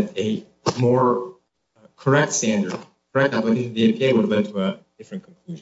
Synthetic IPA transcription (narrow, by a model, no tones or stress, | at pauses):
ɾɨ | mɔɹ | kʰə˞ɛk̚tstæ̃ndə̰˞d̚ | kʰə˞ɛk̚tæplɨkʰeɪʃnʌvðiẽpʰieɪwəɾlɛ̃d̚tʰəəd̥ɪfɹɨ̃nkʰn̩kʰl̥ʉʒ